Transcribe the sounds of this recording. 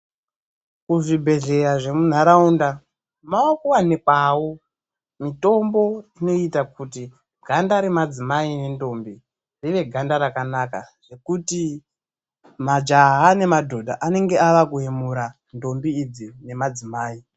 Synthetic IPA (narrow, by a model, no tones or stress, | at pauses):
kuʐibʱe̞ɮe̞ɾaʐe̞mun̤aɾaunda | maokuwanekwawo̞ | mito̞mbo̞ino̞itakuti | ɡʱandaɾemad͡zimaine̞ndo̞mbi | riʋe̞ɡʱandaɾakanakaʐ̥e̞kuti | mad͡ʒaɦane̞madʱo̞dʱaʔane̞ŋɡe̞aʋakuɦemuɾa | ndo̞mbiːd͡zine̞mad͡zimaːi